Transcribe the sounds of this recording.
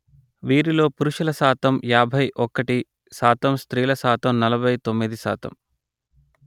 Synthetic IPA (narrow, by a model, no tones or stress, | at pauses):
ʋiːɾilo̞ːpuɾuʃulɐsaːt̪ɐmjaːbʱɐjʔɔkɐʈi | saːt̪ɐmst̪ɾiːlɐsaːt̪ɐmnɐlɐbʱɐjt̪omːid̪isa̰ːt̪ɐ̰m